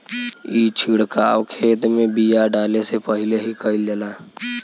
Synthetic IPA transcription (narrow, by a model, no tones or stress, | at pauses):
iːt͡ʃʰiɽkaːwkʰeːt̪mẽbijaɖaːlesepəɦɪleɦikəɪld͡ʒəlaː